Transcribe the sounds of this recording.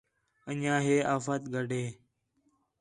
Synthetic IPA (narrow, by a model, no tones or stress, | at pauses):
əɲãːɦeːʔaːfaːt̪ɡʱəɖʱeː